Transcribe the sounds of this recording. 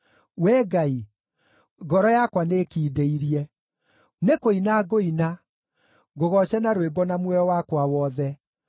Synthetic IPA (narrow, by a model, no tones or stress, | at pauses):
wɛɡai | ɡɔɾɔjakwanekiːdeiɾiɛ | nekoinaɡoina | ɡoɣɔɕɛnaɾoebɔnamwɛɔwakwawɔðɛ